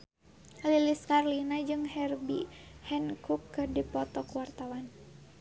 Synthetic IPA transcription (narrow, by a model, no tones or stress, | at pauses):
liliskarlinad͡ʒɨŋhɛrbḭhɛnkukːɨdipɔt̪ɔkuwart̪awan